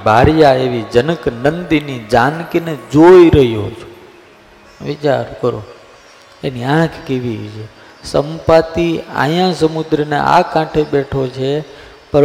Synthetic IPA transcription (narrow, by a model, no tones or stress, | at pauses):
bʱaɾjaeʋid͡ʒənəknənd̪inid͡ʒankined͡ʒoiɾəɦijo̰t͡ʃʰo | ʋɪt͡ʃaɾkəɾo̰ | eniãkʰkiʋit͡ʃʰe | səmpət̪ia̰jãsəmud̪ɾənḛʔa̰kãʈʰeɓeʈʰot͡ʃʰe | pəɾ